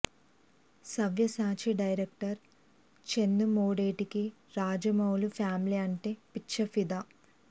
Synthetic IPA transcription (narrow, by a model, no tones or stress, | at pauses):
sɐʋjɐsaːt͡ʃiɖɐjɾek̚ʈɐɾ | t͡ʃenːumoːɽeːʈiki | ɾaːd͡ʒɐmɐwlupʰjaːmliɐɳʈeːpitːʃɐfid̪a